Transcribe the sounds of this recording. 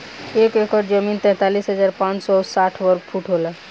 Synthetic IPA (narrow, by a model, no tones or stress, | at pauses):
ekekəɾd͡ʒəmint̪ɛ̃t̪alisɦəd͡ʒaɾpãt͡ʃsɔsaʈʰʋəɾk̚pʰuʈɦolə